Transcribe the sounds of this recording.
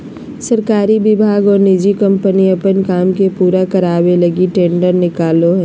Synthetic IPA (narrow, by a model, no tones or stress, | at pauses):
səɾkaːɾibɪbʱaːɡɔːɾnɪd͡ʒikə̃mpəniɐpənkaːmkepuːɾakəɾaːwelɐɡiʈẽːɳɖəɾnɪkaːloɦɛː